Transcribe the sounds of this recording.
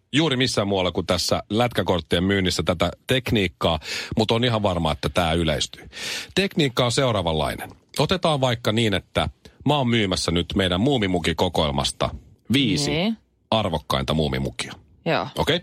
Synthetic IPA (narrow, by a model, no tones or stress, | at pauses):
juːɾimisːæmmuɑlːɑkut̪æsːælæt̪kækort̪ːiemmyːnːisːæt̪æt̪æt̪ekniːkːɑːmut̪oniɦɑʋʋɑrmɑːet̪ːæt̪æːyleist̪y̥t̪ekniːkːɑonse̞uɾɑːʋɑlːɑ̰inen | ot̪et̪ɑːʋʋɑikːɑniːnet̪ːæmɑommyːmæsːænyt̪meiɾæmmuːmimukikokoelmɑ̰st̪ɑ̰ʋiːsi | ɑrʋokːɑ̰int̪ɑmuːmḭmṵki̥ɑ̥ | joːokei